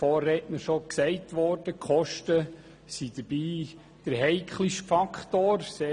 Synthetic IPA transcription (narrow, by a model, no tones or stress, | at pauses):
fɔːrːɛːtnəʃɔksɛɪtʋɔɾd̥əkχɔʃtə | sid̥əɾbiː | d̥əɾɦɛɪkʰχliʃfɑkχtoːrseː